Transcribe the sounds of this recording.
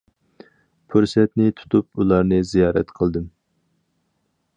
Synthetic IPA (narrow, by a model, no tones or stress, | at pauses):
pʰuɾsɛt̪nɪt̪ʰu̥t̪ʰupulˠɑɾnɨzijɑːɾɛ̰t̪qʰəlˠd̪ɨm